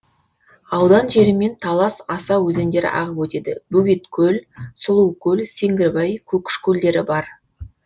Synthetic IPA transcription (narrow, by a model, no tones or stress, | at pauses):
ɑwd̪ɑnʒe̞ɾɪme̞nt̪ʰɑlˠɑsɑsɑwɵze̞nd̪e̞ɾɪ̰ʔɑ̰ʁəpwɵt̪e̞d̪ɪbɵɡʲet̪kʲʰɵlsʊlˠuwkʲʰɵlse̞ŋɡʲɪɾbɑjkʲʰɵkʲɪ̥ʃkʲʰɵld̪e̞ɾɪbɑɾ